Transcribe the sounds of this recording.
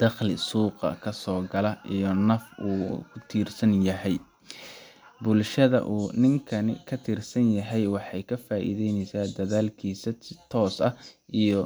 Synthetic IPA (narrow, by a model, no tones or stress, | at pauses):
d̪̥ɑχlɪ̰suːqɑ̰kʰɐsɔːɡɐlɐʔijɔnɐfuːkʰʊt̪ʰiːrsɐnjɐɦɛj | bʊlʃɐðɐ̰ʔuːnɪŋkʰɐnɪkʰɐt̪ʰirsɐnjɐɦɛjwɑħɑjkʰɐfaːʔḭðɛjnɛjsaːd̪ɐðaːlkʰiːsɐsɪt̪ʰɔːsɐʔijɔ